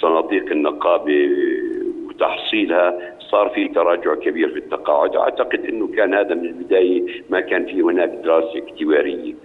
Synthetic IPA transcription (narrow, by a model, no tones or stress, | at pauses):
sˤɑnɑːd̪ˤiːqɪnːɪqɑːbe | wt̪ɑħsˤiːlha | sˤɑːɾˤfit̪ɑɾˤɑːd͡ʒʊʕkabiːɾfit̪ːɑqɑːʕʊd̪ʔa̰ʕt̪ɑqɪd̪ʔɪnːʊkaːnhaːðamɪnɪlbɪd̪aːjamakaːnfiːhʊnaːkd̪ɪɾˤɑːsaɪkt̪ɪbaːɾɪjːa